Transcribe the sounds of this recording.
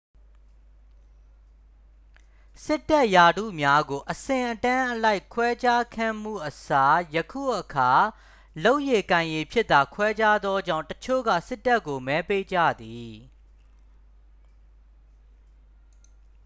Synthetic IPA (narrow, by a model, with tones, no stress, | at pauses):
sɪ˦tːa˦˨ʔja˨dṵ˦˨mja˦ɡo˨ʔəsɪ̃˨ʔətã˦ʔəla˦ɪkʰwɛ˦t͡ɕa˦kʰã˦˨m̥ṵ˦˨ʔəsa˨jəkʰṵ˦˨ʔəkʰa˨ | lo˦ʊʔje˨kã˨ɪ̃je˨pʰjɪ˦t̪t̪a˨kʰwɛ˦t͡ɕa˦d̪ðɔ˦d͡ʑã̰˦˨ʊ̃tət͡ɕʰo̰˦˨ɡä̰˦˨sɪ˦tːa˦kːo˨mɛ˦pe˦d͡ʑä̰˦˨d̪i˨